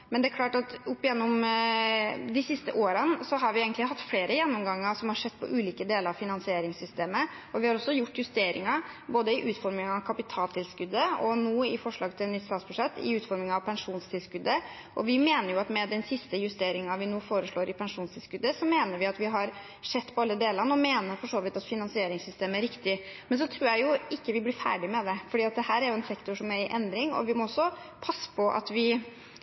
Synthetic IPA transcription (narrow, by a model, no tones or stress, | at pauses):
mɛnd̪ɛækʰlɑːʈɑt̪ʊpːɪjɛnːʊm | d̪ɪsɪst̪əʔoːɾənsɔɦɑɾʋɪeːɡənlɪhɑt̪ːfleːɾəjɛnːɔmɡɑŋːəsɔmhɑɾʂɛt̪ːpʰɔ̰ʔʉːliːkəd̪eːləɾɑʋfɪnɑnsɪeːɾɪŋsʏst̪eːmə | ɔʋɪhɑɾɔsːɔjʊʈːjʉst̪eːɾɪ̰ŋɑboːd̪əɪʔʉːt̪fɔɾmɪŋɑʋkʰɑpɪt̪ʰɑːlt̪ʰɪlskʉd̪ːəɔnoːɪfɔʂɭɑːɡt̪ʰɪlnɪt̪st̪ɑːt̪sbʉʂɛt̪ːɪ̰ʉːt̪fɔɾmɪŋɑʋpʰɛnʂuːnst̪ʰɪlskʉd̪ːə | ʔɔʋɪmeːnəɾjʊɑt̪mɛd̪ɛnsɪst̪əjʉst̪eːɾɪŋɑʋɪnuːfoːɾəʂɭoːɾʔɪpʰɛnʂuːnst̪ʰɪlskʉd̪ːəsɔmeːnəɾʋɪɑt̪ʋɪɦɑɾ | ʂɛt̪ːpʰɔɑlːəd̪eːləɾnəɔmeːnəɾfɔʂoːʋɪt̪ɑt̪fɪnɑnsɪeːɾɪŋsʏst̪eːmæɾɪkt̪ɪmɛns̬ɔt̪ʰɾuːjæɪjʊʔɪkːəʋɪblɪːfæ̰ːɖɪmɛd̪ɛfɔɖiːɑt̪̚d̪ɛhæːɾæɾjʊɛnsɛkt̪ʊʂɔmæɾʔɛnd̪ɾɪŋɔ̰ʋɪmɔɔsːɔ | pʰɑsːə̥pʰɔʔɑ̰t̪ʋɪ